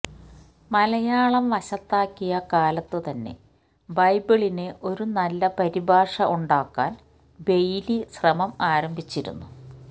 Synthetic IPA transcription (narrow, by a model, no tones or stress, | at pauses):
mɐlɐjaːɭɐmʋɐɕɐt̪ːaːkːijɐkaːlɐt̪ːɨt̪ɐnːe̞̰ | bɐjbiɭineʔo̞ɾunɐlːɐpɐɾibaːʂɐʔuɳɖaːkːaːn | be̞jlisrɐmɐmaːɾɐmbʱit͡ɕːiɾṵnːu